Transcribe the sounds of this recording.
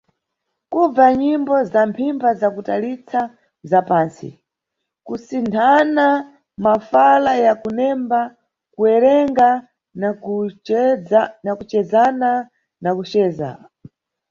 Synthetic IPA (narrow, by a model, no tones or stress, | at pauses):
kub͡vaɲimbɔzampʰimbazakutalit͡sʰa | zapaːnsḭ | kusintʰana | mafalajakunɛmba | kuɛɾɛŋɡa | nakut͡ʃɛzana | nakut͡ʃɛːza̰